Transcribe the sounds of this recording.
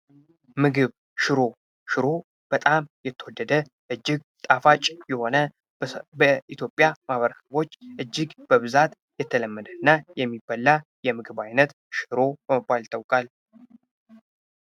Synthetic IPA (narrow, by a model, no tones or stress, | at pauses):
mɨɡɨβ | ʃɨɾo̞ | ʃɨɾo̞ | b̥ət̪ʼamjɛt̪ʰːəwɔd̪ːəd̪ə | ʔɨd͡ʒːɪɡ | t̪ʼafat͡ʃʼjɛho̞nə | bəʔit̪ʰjo̞pʼːjamaβəɾəsəβo̞t͡ʃːʔɨd͡ʒːɪɡb̥əβɨzat̪ | jɛt̪ʰːələmːəd̪əɨnːajɛmːibːalːa | jɛmɨɡɨβajnət̪ | ʃɨɾo̞bəməbːalt̪ʰəwkʼal